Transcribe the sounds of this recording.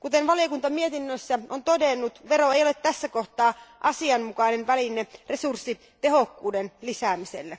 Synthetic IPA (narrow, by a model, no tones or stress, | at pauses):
kut̪enʋɑlijokunt̪ɑmiet̪inːøsːæʔont̪odenːut̪ʋeɾoejolet̪tæsːækoht̪ɑːʔɑsiɑnmukɑinenʋælineresursːi | t̪ehokːuːdenlisæːmisḛlːe